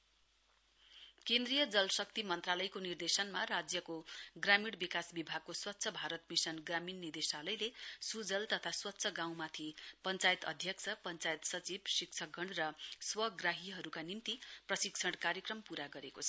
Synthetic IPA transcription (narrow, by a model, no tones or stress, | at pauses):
kẽnd̪rijʌd͡zʌlsʌk̚t̪imʌnt̪ralʌjkonird̪esʌnmarad͡zjʌkoɡramiɽbikasbibʱaɡ̚koswʌt̪ːsʰʌbʱaɾʌt̪misʌnɡraminnird̪esalʌjlesud͡zʌlt̪ʌt̪ʰaswʌt̪ːsʰʌɡãw̃mat̪ʰipʌnt͡sajt̪ʌ̰d̪ʱjʌk̚t͡sʰʌpʌnt͡sajt̪sʌt͡sibsikt͡sʰʌɡʱʌɳrʌswʌɡraɦiɦʌɾukanimt̪iprʌsikt͡sʰʌɽkaɾjʌkrʌmpuɾaɡʌɾekot͡sʰʌ